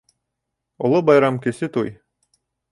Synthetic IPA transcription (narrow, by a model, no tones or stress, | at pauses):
ŏlˠobɑjɾɑmkɘ̆sɘt̪uj